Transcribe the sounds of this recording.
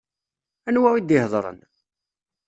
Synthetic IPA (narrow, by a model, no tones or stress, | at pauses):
ænwæwid̪ɪhðˤɾˤə̰n